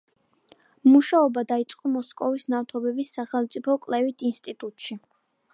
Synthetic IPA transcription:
muʃaɔbad̪ait̪sʼqʼɔmɔskʼɔvisnaft̪ʰɔbɛbisːaχɛlˠmt̪sʼipʰɔkʼlɛvit̪ʰinst̪ʼit̪ʼut̪ʼʃi

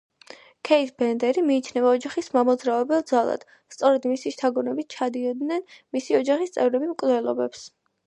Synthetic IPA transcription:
kʰɛit̪bɛnd̪ɛɾimiːt͡ʃʰnɛvaɔd͡ʒaχismamɔd̪zɾavɛbɛlˠd̪zalˠa̰d̪̥ | st̪sʼɔɾɛd̪misiʃt̪ʰaɡɔnɛbit̪̚t͡ʃʰad̪iɔd̪nɛnmisiɔd͡ʒaχist̪sʼɛvɾɛbimkʼvlɛlˠɔbɛps

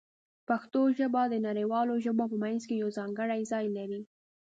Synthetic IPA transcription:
paxt̪oʒəbad̪ənaɾejwɑloʒəbopəmajnzkejawzɑŋɡəɽajzɑjlaɾi

